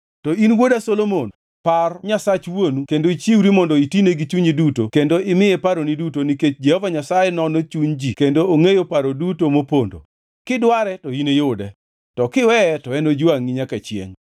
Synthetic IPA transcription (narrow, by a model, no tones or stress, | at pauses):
tɔinwodasolomon | parɲasat͡ʃwonukendoit͡ʃiwɾimɔndɔitineɡit͡ʃuɲidutokendoʔɪmɪjɛpaɾonidutoniket͡ʃd͡ʒehɔvaɲasajɛnɔnot͡ʃuɲd͡ʒikendoːŋejopaɾodutomopondo̰ | kɪdwaɾɛtɔinejʊdɛ | tɔkɪwɛtɔɛnod͡ʒʊaŋːiɲakat͡ʃjḛŋ